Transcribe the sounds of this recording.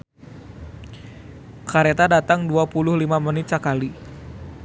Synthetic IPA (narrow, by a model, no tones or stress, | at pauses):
kaɾet̪adat̪aŋduapulʊhlimamənit̪̚sakali